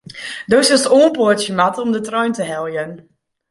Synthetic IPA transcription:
dosɪsoːnpətjəmatəɔmdətrœɥntəɦɛlˠjən

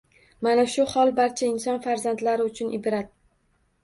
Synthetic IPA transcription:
manaʃʊhɒlˠbaɾt͡ʃʰaɪnsɒnfaɾzand̪laɾɪʊt͡ʃʰʊnʔɪbɾat̪̚

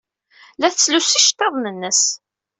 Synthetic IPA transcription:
læθt͡sːlusiʃt̪ˤːɑðˤnənːəs

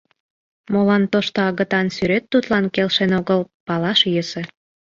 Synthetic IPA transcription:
molɑnt̪oʃt̪oɑɣə̆t̪ɑnsyɾet̪ːut̪lɑnkelʃenoɣəlpɑlɑʃjəse

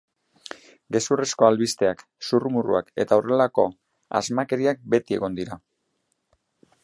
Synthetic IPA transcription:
ɡe̞suresko̞alβist̪e̞ak | surumurṵa̰ke̞̰t̪aorelako̞ | a̰zmake̞ɾiak̚be̞t̪ie̞̰ɣo̞nd̪iɾa

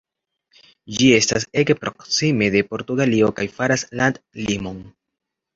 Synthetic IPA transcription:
d͡ʒie̞stase̞ɡpɾo̞ksime̞de̞po̞ɾtuɡalio̞kajfaɾaslandlimo̞n

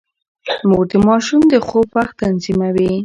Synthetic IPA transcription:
mod̪imɑʃumd̪əxopaxt̪anzimawi

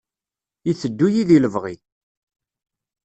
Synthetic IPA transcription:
iθəd̪ːujiðiləvʁi

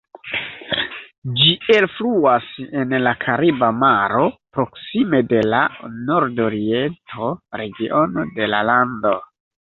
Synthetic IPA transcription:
d͡ʒie̞lfluase̞nlakʰaɾibamaɾo̞pɾo̞ksime̞de̞lano̞ɾdoɾientʰo̞ɾe̞ɡiʔo̞node̞lalando̞

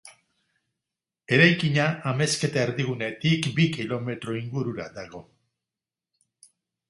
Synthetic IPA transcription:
e̞ɾajkiɲaːme̞ske̞t̪aeɾðiɣ̞une̞t̪ikbikilo̞me̞t̪ɾo̞iŋɡuɾuɾa̰d̪aɣ̞o̞

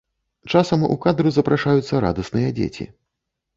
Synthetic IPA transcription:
t͡ʂasɐmṵkad̪ɾuzɐpɾʔaʂajut̪sːɐɾa̰d̪ɐsnɨjɐd͡zʲḛt͡sʲḭ

